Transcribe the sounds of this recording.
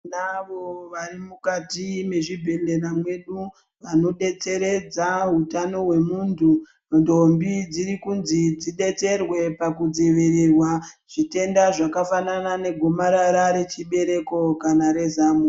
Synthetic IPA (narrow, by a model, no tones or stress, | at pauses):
naʋoʋarimukatime̞ʐibʱe̞le̞ramwe̞ɗu | ʋano̞ɗe̞t͡se̞ɾe̞d͡zaɦutano̞ɦwe̞muntʰu | ndombid͡ziɾikunzid͡ziɗe̞t͡se̞rwe̞pakud͡ziʋirirwaʐ̥ite̞ndaʐakafananane̞ɡʱomaɾaɾaɾe̞t͡ʃiɓe̞ɾe̞ko̞kanaɾe̞zamu